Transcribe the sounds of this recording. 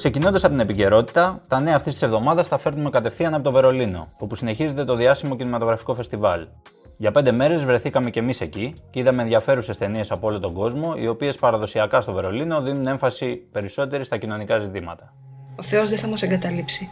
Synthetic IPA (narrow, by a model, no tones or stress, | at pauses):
kse̞cino̞nd̪ɐsɐpot̪inepice̞ɾo̞t̪i̥t̪ɐt̪ɐneɐːft̪ist̪ise̞vðo̞mɐðɐsθɐfe̞ɾnumekɐt̪e̞fθiɐnɐpot̪o̞ve̞ɾo̞lino̞̰opusine̞çize̞nt̪e̞t̪o̞ðiɐsimo̞cinimɐt̪o̞ɣɾɐfi̥ko̞fe̞st̪ivɐl | ʝɐpnd̪e̞me̞ɾe̞zvɾe̞θikɐme̞ce̞mise̞ciceiðɐme̞ːnðʝɐfe̞ɾuse̞st̪e̞nie̞sɐpoolot̪oɡo̞zmo̞ḭo̞pie̞spɐɾɐðo̞siɐkɐst̪o̞ve̞ɾo̞lino̞ðinune̞ɱfɐsipe̞ɾiso̞t̪e̞ɾist̪ɐcino̞nikɐzit̪imɐ̰t̪ɐ̥ | oθe̞ozðeθɐmɐseŋɡɐt̪ɐlipsi